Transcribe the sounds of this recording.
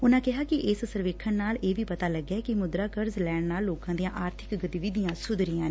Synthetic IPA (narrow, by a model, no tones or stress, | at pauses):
ʊnãːkɪɦaːkɪʔɪːsəsəɾʋeːkʰːənaːleːbʱiːpət̪aːləɡɛːkɪmʊd̪ɾaːkəɾzlɛːɳnaːlːoːkãːd̪ijãːʔaːɾt̪ʰɪkɡət̪ɪʋɪd̪ijãːsʊd̪ɾɪjãːneː